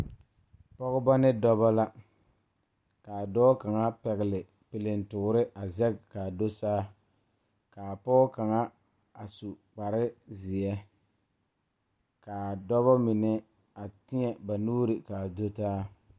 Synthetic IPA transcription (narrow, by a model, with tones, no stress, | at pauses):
pɔ˦ɣʊ˦ba˦nɪ˦dɔ˦ba˦la˦ | ka˨dɔː˦ka˨ŋa˦pɛ˨ɣɪ˨lɪ˨ | pɪ˨lɪ˨n˨tʊ˨˦ɾɪ˦ʔa˨zɛ˦ɡka˨do˦saː˦ | kaː˨pɔ˦ka˨ŋa˦ | a˨su˨k͡pa˨ɾɪ˦zɪ˨ɛ˦ | kaː˨dɔ˦βa˦mɪ˨nɛ˦ | a˨tɪ˦ɲɛ˨ba˨nuː˦ɾɪ˨ka˨do˦taː˦